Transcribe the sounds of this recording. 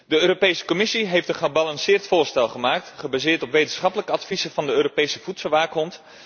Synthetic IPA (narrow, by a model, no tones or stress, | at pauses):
dəøːropejsə̥komɪsiɦejftənχəbɑlɑnsɪːɹtfʊːɹstɛlˠχəmaːk̚tχəbaːzɪːɹtɔpʋejtənsχɑpələkəɑtfizəvɑndəøːropejsəv̥utsəlˠʋaːkɦɔnt